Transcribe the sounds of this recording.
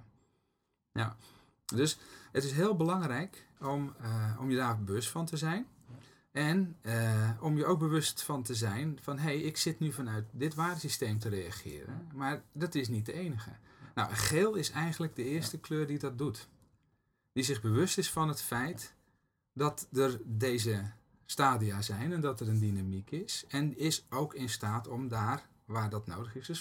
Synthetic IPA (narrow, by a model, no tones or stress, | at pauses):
a | døsətɪsɦɪːlˠbəlɑŋrɛjkomɔ̰mjədaːrbəʋɵstfɔntəzɛjn | ʔɛnəɔmjəowɡ̚bəʋɵstfɔntəzɛjnfɔnɦejɪksɪtnyfɔnœɥtdɪtʋaːdəsistejmtərejaχɪ̰ːɾə̰nmaːrdɔtɪs̬nit̚dəejnəɣə̰nɔ̰wənχeːlˠɪsɛjɣənləɡ̚dəɪːərstəkløːrdidɔt̚dut | d̥izɪɣbəʋɵstɪsfɔnɦətfɛjt | dɔtdərdejzə | staːdiazɛjnɛndɔtəɾəndinamikɪsɛnɪsowkʰɪnstaːtɔmdaːr | ʋaːrdɔtno̰wdəχɪsəs